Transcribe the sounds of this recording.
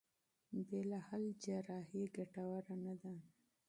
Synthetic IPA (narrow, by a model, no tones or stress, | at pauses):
belɑhald͡ʒaɾɑhiɡaʈawaɾanad̪a